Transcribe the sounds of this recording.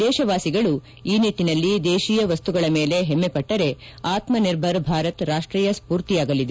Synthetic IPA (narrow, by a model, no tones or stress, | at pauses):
d̪ɛːʃɐʋaːsiɡɐɭu | iːniʈːinɐlːid̪eːʃijɐʋɐst̪uɡɐɭɐme̞ːle̞ɦemːepɐʈːɐɾe̞ | aːt̪mɐniɾbʱɐɾbʱaːɾɐt̪ɾaːʂʈɾiːjɐspuːɾt̪ijaːɡɐlːid̪e